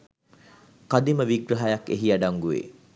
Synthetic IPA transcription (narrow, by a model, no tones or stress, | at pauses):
kad̪iməʋiɡɾəɦajakeɦiaɖaŋɡuʋḛ